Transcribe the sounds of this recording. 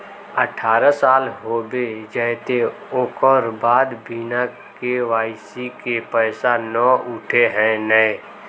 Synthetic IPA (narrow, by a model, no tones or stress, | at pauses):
əʈʰaːɾəsaːlɦoːbed͡ʒəɦt̪e | oːkɔɾbaːd̪bina | keʋaːɪsikepɛːsanɔʊʈʰeɦɛ̃nəe